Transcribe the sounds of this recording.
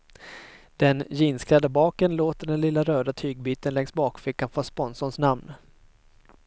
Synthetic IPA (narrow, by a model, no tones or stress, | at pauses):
d̪̥ɛnjɪnsklad̪əbɑːkənloːt̪əɖɛnlɪlːaɾøːd̪at̪ʰyːɡ̚byːt̪ənlɛŋsbɑːkfɪkːanfɔspɔnsɔnsnamn